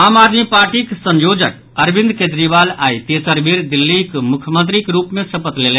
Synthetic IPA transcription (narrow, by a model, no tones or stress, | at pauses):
aːmad̪mipaɾʈiksə̃ɲjod͡ʒək̚ | əɾbind̪ked͡ʒ̪ɾibalait̪esəɾbiɾd̪ilːikmukʰjəmənt̪ɾikeɾupmesəpət̪lel